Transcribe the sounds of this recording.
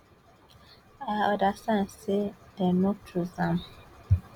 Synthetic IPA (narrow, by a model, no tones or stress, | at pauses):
aɔdasãnsedɛmɔtʰuzam